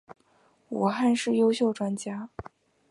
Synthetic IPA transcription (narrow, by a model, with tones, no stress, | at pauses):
wu˨˩xa˥˧nʂɻ̩˥˩jo˥ʊɕjo˥˩ʊʈ͡ʂwa˥nt͡ɕja˥